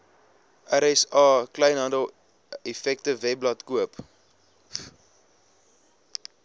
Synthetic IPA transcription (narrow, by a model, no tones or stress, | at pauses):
ʔæɾɛsɑːkləjnɦɐndəlˠ | ifɛktəvɛp̚lɐtkuəp